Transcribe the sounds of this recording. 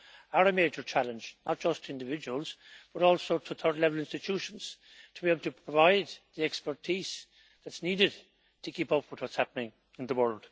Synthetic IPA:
aɹəmeɪd͡ʒə˞t͡ʃʰælə̃nd͡ʒnət̚d̥ʒ̥ʌstʰəɪ̃ndɪvɪd͡ʒəwəlˠz̥b̥ʌɾɔlˠsoʊtʰəθʰɜ˞dlɛvəlɪ̃nstɪtʰjuʃə̃nz̥ | tʰəbiebl̩ˠtʰəpʰɹ̥əvaɪd̪̚ðiɛkspə˞tʰiz̥ | ðətsniɾɪd̚ | tʰəkʰipʌpʰwɨðwɒtshapənɪ̃ŋ | ɪ̃nðəwɜ˞lˠd̥

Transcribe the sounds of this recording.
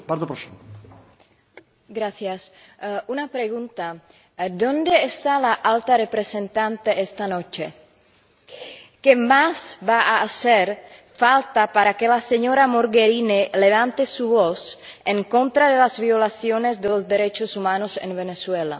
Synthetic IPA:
baɾt̪opɾosimo | ɡɾaθjas | unapɾeɣunt̪a | d̪o̞nd̪e̞ːst̪alaʔalt̪arepɾesent̪ant̪eest̪ano̞t͡ʃe | kemasβaʔaːseɾfalt̪apaɾakelaseɲoɾamoɾɡeɾinele̞β̞ant̪esuβoseŋkont̪ɾaðelazβiolasjonezd̪elozd̪eɾet͡ʃosumanosḛnβeneswela̰

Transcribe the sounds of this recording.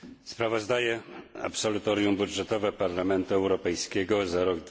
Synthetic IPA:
spɾavɔzd̪ajɛa̰psɔlut̪ɔɾjumbud̪ʐɛt̪ɔvɛpaɾlamɛnt̪uɛwɾɔpɛjskʲɛɡɔzaɾɔɡ

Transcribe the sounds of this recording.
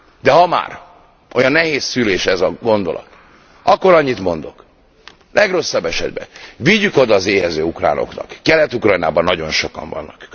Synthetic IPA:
d̪ɛɦɒma̰ːr | ʔo̞jɒnːɛɦeːsːyleːʃɛzɒɡo̞nd̪o̞̰lɒ̰t̪ | ɒkːo̞ɾɒɲːit̪mo̞nd̪o̞k | lʔɛɡro̞sːɒbːɛʃɛ̰d̪bɛ̰viɟːyko̞d̪ɒːzeːɦɛzøːukra̰ːno̞̰knɒ̰kːɛlɛt̪ukrɒjna̰ːbɒnːɒɟo̞nʃo̞kɒ̰ɱvɒ̰nːɒk

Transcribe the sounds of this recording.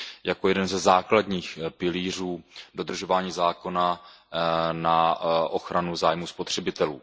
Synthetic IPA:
jako̞jɛdɛnzɛzaːkladɲiːxpɪliːr̝uːdo̞d̪r̩ʒo̞vaːɲiːzaːko̞na | naʔo̞xɾanuzaːjmuspo̞t̪r̝̥ɛbɪt̪ɛlṵː

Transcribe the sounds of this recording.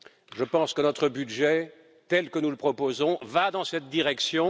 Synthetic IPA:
ʒəpɑ̃skənɔt̪χəbyd̪ʒɛ | t̪ɛlkənuləpχɔpozɔ̃vad̪ɑ̃sɛt̪̚d̪iʁɛksjɔ̃

